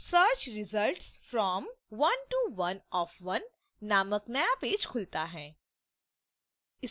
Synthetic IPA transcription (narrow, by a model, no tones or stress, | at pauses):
səɾt͡ʃɾɪzəlʈsfɾɔːmʋɐ̃nʈuʋɐnɔːfʋɐnː | aːməknəjapeːd͡ʒkʰʊlt̪aɦɛ̃ː | ɪ